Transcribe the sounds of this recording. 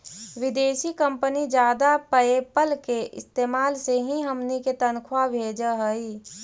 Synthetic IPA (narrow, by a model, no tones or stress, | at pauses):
ʋɪd̪eːʃikə̃mpənid͡ʒjaːd̪apəepəlkeʔɪ̰st̪eːmaːlseɦĩɦəmniket̪ənkʰwabʱeːd͡ʒəɦəi